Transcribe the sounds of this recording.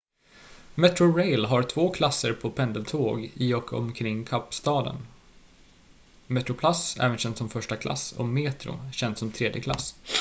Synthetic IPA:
mɛt̪ɾʊɾɛjlɦaɾt̪ʰvoːkʰlasːəɾpʰɔpʰɛnd̪əlt̪ʰoːɡɪɔkʰɔ̰mkʰɾɪŋːkʰapːst̪ɑːd̪ə̰n | mɛt̪ɾʊpʰlasɛ̰ːvənɕɛnsɔmfœʂʈakʰlʔa̰sɔ̰meːt̪ɾʊ̰ɕɛnd̪sɔmt̪ʰɾeːd̪jəkla̰s

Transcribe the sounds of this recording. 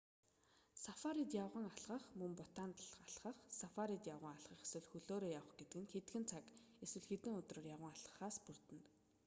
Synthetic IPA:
safaɾit̪jawʁə̆ŋaɮʁə̆χmɵmpɔt̪aːnt̪ɮaɮʁə̆χsafaɾit̪jawʁə̆ŋaɮʁə̆χeswɘ̆ɮxɵɮoːɾoːjawə̆χɡet̪ɘ̆kɘ̆ŋxet̪xɘ̆nt͡sʰak | eswɘ̆ɮxet̪ɘ̆ŋɵt̪roːrjawə̆ŋaɮʁə̥̆χaːspur̥t̪ɘ̆nt̪

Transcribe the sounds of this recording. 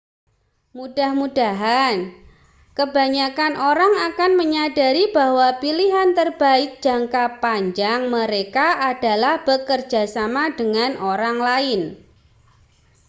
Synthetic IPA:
mud̥a̤hmudaɦan | kəbaɲakanʔoɾaŋakanməɲada̤ɾib̥ahwapiliɦant̪ərb̥aɪt̪̚dd͡ʒ̥a̤ŋkapaɲd͡ʒaŋməɾekaʔad̥a̤lahb̥əkərd͡ʒa̤samadəŋanoɾaŋlaɪn

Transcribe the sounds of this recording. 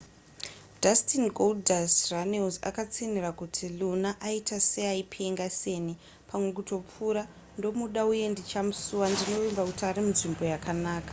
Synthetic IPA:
d͡ʒastinɡoldasranelza̰kat͡sinirakutʰilunaʔaitʰaseaipʰeŋɡase̞ːni | pʰamwe̞k̬uto̞p͡fuːɾa | ndo̞muɗauje̞ndit͡ʃamusuwandino̞imbakutiaɾimunʐimbo̞jakanaːkḁ

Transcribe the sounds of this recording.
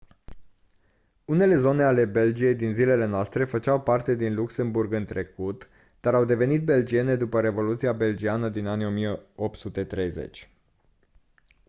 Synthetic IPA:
une̞le̞zo̞ne̞ale̞be̞ld͡ʒije̞jd̪inzile̞le̞noast̪ɾe̞fət͡ʃawpart̪e̞d̪inluksemburɡɨnt̪ɾe̞kut̪ | d̪̥aɾawd̪e̞ve̞nit̪̚be̞ld͡ʒie̞ne̞d̪upəɾe̞vo̞lut̪siabe̞ld͡ʒianəd̪inanio̞mijeop̚t̪sut̪e̞t̪ɾe̞jze̞̰t͡ʃʲ

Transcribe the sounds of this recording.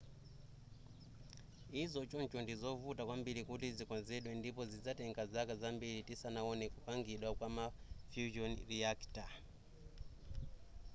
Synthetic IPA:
izɔt͡ʃunt͡ʃɔndizɔvutakwambiɾikutizikɔnzɛɗwɛndipɔzid͡zatɛŋɡazakazambiɾitisanaɔnɛkupaŋɡiɗwakwamafjuʒɔnriakta

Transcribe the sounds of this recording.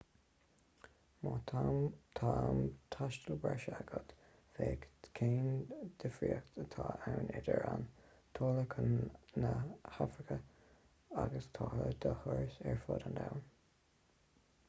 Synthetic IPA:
moːt̪ʰamt̪ʰamt̪ʰaʃtəlbɛʃəaɡɔt̪ | feːkkʰeːnd̪̥əfɾiəxt̪ʰət̪ʰɑːawnʔɛd̪əɹan | t̪ʰoːləkʰənnəhafɾɪkʰə | aɡəst̪ʰɑːləd̪əhʊɹsɛɹfoːd̪and̪awn

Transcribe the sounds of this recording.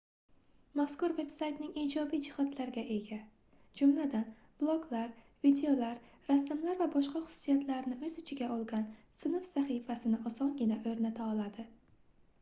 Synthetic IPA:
maskʊɾve̞psajt̪nɪŋid͡ʒɒbijd͡ʒɪhɒd̪laɾɡʲaʔe̞ɡʲa | d͡ʒʊmlad̪an | b̥lˠoɡlaɾ | vid̪eo̞laɾ | ɾasːɪmlaɾvabɒʃqɑχʊ̥sʊ̥sijat̪ʰlaɾnɪɵzɪt͡ʃʰɪɡʲaɒlˠɡʲansɪnɨfsaχifasɪnɪɒsɒnɡʲɪnaʔɵɾnat̪ʰaɒlˠad̪ɪ

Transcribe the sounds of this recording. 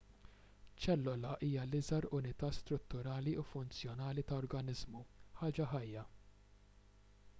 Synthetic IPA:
t͡ʃɛlːɔlɐʔiːjɐlɪzɐɾʊnɪt̪ɐːst̪ɾʊt̪ːʊɾɐːliufʊnt͡sjɔnɐːlit̪ɐɔɾɡɐnɪzmuħɐːd͡ʒɐħɐjːɐ

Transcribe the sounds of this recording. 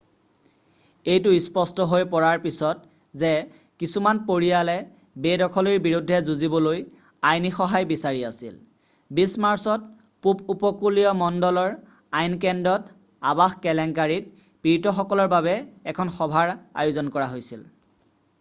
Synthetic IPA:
ejtʊispɔstɔɦojpɔɹaɹpisɔt̚ | zɛ | kisumanpoɹijalɛ | bedɔkʰɔliɹbiɹudʱːɛzuzibɔloj | ajnixɔɦajbisaɹiasḭl | bismaɹsɔt̚ | pupupɔkuliɔmɔndɔlɔɹ | ajnkɛndɔt | abaxkɛlɛŋkaɹit̚ | piɹtɔxɔkɔlɔɹbaβɛːkʰɔnxɔbʱaɹa̰jʊzɔnkɔɹaɦojsil

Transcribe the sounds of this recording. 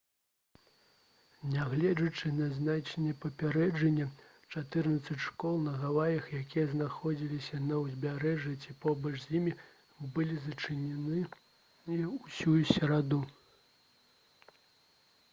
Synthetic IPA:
nʲaɣlʲɛd͡zɐt͡ʂɨnɐznat͡ʂɐnʲːɛpɐpʲaɾɛd͡ʐɐnʲːɛ | t͡ʂat̪ɨrnɐt̪sɐt͡sʲʂkɔlˠnɐɣavajɐxjakʲijɐznaxɔd͡zʲilʲisʲɐnɐwzʲbʲaɾɛʐjɐt͡sʲipɔbɐt͡ʂzʲjimʲi | bɨlʲizɐt͡ʂɨnʲɛnɨ | ɛusʲujusʲɐɾad̪u

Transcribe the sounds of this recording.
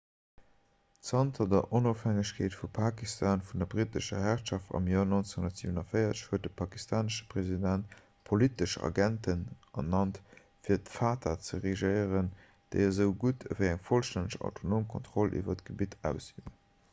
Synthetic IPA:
tsɑntʰɐdɐʔonofhæŋəɕkʰeːtfupʰaːkistʰaːnfundɐbʁitəʃɐ̰ɦæʁʃɑftɑ̰mjoːɐnont͡ssehundɐtz̥ḭːvənɐfəɪɐt͡səʃhuət̚dəpʰɑkistʰaːnəʃə̥pʁezidænt | pʰolitəʃɑ̰ɡæntʰənʔɐnɑnt | fiːɐtfaːtʰɐt͡səʁeʒɜɪəʁən | d̥ə̰ɪɐzəʊɡutʰəvəɪæŋfolʃtænəʃɑ̰ʊtʰonoːmkʰontχɔlʔḭvɐtɡ̥əbitæ̰ʊsḭə

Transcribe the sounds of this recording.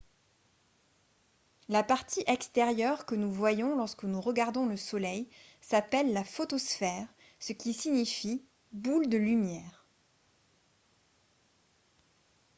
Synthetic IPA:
lapaʁt̪iʔɛkst̪ɛʁjœʁkənuvwajɔ̃lɔʁskənuʁəɡaʁd̪ɔ̃ləsɔlɛjsapɛlːafot̪osfɛʁ | səkʲisiɲifi | buld̪əlymjɛːʁ

